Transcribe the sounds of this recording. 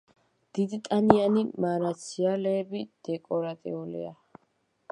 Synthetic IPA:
d̪̥id̪it̪ʼanianimaɾat̪sʰialɛːbid̪̥ɛkʼɔɾat̪ʼḭulḭa

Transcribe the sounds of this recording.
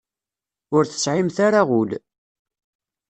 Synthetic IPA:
ʊɾθə̥sʕimθaɾaʁul

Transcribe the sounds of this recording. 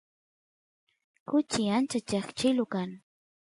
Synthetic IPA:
kʊt͡ʃɪant͡ʃat͡ʃaχt͡ʃɪlʊkaŋ

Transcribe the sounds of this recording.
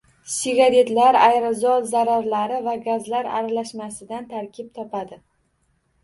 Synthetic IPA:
sɪɡaɾe̞t̪laɾajɾazɒt̪zaɾaɾlaɾɪvaɡazlaɾa̰ɾalaʃmasɪd̪ant̪ʰaɾkʲʰɪp̚t̪ʰɒpʰad̪ɪ

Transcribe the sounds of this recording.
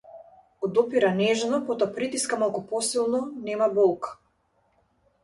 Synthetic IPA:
ɔd̪ɔpiɾanɛʒnɔpɔt̪ɔapɾit̪iskamalˠkupɔsilˠnɔnɛmabɔlˠkḁ

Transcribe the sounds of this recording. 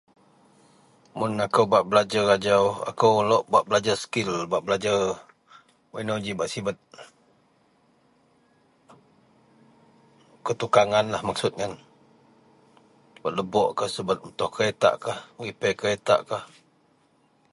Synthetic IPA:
mʊnakəwbaʔbəlad͡ʒarad͡ʒawa̰kəwlɔʔbaʔbəlad͡ʒasə̥kɪlbaʔbəlad͡ʒa | wenod͡ʒibaʔsibət̪̚ | kət̪ukaŋanlahmaksʊt̪̚ŋan | bat̪̚ləbɔʔkahsəbət̪̚ut̪ɔhkəet̪a̰ʔkahməɣipɛkəet̪a̰ʔkah

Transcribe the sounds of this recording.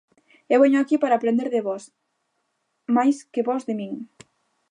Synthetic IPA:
ewβeɲoakipaɾaːpɾend̪eɾðeβɔs | majskeβɔzðemĩŋ

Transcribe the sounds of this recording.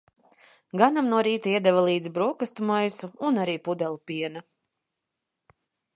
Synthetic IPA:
ɡanamnuɔɾiːt̪aiɛd̪ɛvalˠiːd̪zbɾuɔkast̪umajsuunaɾiːpud̪ɛlˠpiɛna

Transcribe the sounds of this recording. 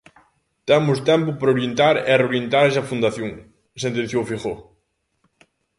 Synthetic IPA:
t̪ɛmʊst̪ɛmpʊpɾɐoɾjent̪aɾɛ̰reoɾjent̪aɾɛsɐfund̪aθjoŋ | sent̪ẽn̟θjofiχo

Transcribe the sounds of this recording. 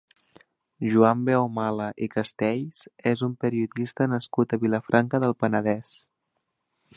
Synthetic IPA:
ʒuambeomaləʔikəst̪ɛʎsezumpəɾiuðist̪ənəskut̪əβiləfɾʔaŋkəðəlˠpənəðɛs

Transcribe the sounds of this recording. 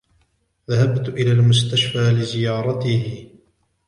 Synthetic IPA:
ðaɦabt̪ʔɪlaːlmʊst̪aʃfaːlɪzɪjɑːɾˤɑt̪ɪhɪ

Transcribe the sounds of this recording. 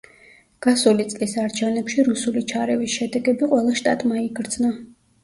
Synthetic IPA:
ɡ̥asulit̪sʼlisaɾt͡ʃʰɛvnɛpʃiɾusulit͡ʃʰaɾɛvisʃɛd̪ɛɡɛbiqʼwɛlˠaʃt̪ʼa̰t̪ʼmaiɡɾd̪zna

